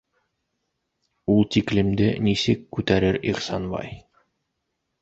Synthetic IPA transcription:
ulˠt̪iklɘ̆md̪ɘnisɘkːʉt̪æɾɘɾiχsɑnbɑ̰j

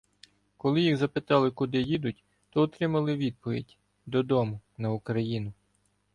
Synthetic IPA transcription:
kɔlˠɪjiɣzɐpɪt̪ɑlˠɪkʊd̪ɪjid̪ʊtʲ | t̪ɔɔt̪ɾɪmɐlˠɪʋʲid̪̚pɔʋʲḭdʲ | d̪ɔd̪ɔmʊnɐukɾɐjinʊ

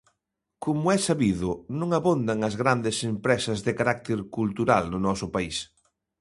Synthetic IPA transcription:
komʊɛsaβiðʊnõŋaβond̪aŋɐzɣɾand̪ɪsempɾɛsɐzðɪkaɾak̚t̪eɾkult̪uɾald̪ʊnɔsʊpais

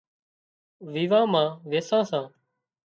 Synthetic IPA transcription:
ʋiːʋãːmãːʋeːsãːsãː

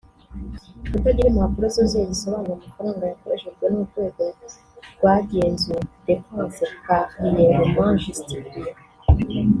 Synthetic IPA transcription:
kutaɟiɾemumakuɾozozeziso̞βaːnomufaɾaːŋɡajakoɾeʃeɡwenuutwekezeziɡwaːɟeːnzed̥epãːnsekamijeɾomwaːnʒiziɟiɾije

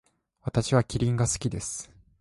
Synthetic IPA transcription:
βat̪aɕiβakʲiɾʲĩŋɡasɨ̥kʲid̪e̞sɨ̥

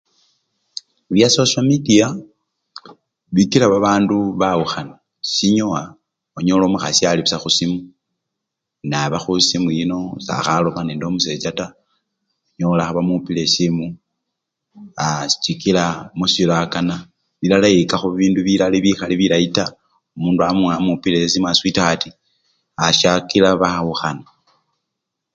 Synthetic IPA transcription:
βjasosamidia | βikilaβaβaːnduβauxana | siɲoa | oɲolomuxa̰sjaliβisaxusimu | naβaxusimujino̞sa̰xalomaneːndomuse̞t͡ʃata | oɲolaxaβamupile̞simu | asi̥t͡ʃikilamusilakana | βilalaikaxuβiːnduβilaliβixaliβilaita | omuːnduamuŋamupilesesimuaswitaxati | aʃakilaβaauxana

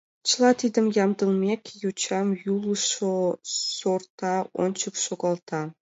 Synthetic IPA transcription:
t͡ɕlˠɑt̪id̪ʲɘ̆mjɑmd̪ɤ̆lˠmʲekʲjut͡ɕɑmjulˠʂosort̪ɑo̰nʲt͡ɕɤ̆kʃoɡɑlˠt̪ʰɑ

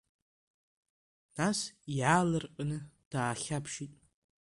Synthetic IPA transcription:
nasiʕalɨrqʼanɨd̥aːχʲapʰʃitʼ

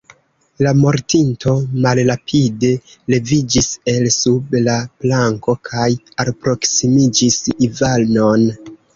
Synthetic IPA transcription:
lamo̞ɾtinto̞malɾapʰide̞ | le̞vid͡ʒise̞lsublaplaŋko̞kʰaj | alpɾo̞ksimid͡ʒisivalno̞n

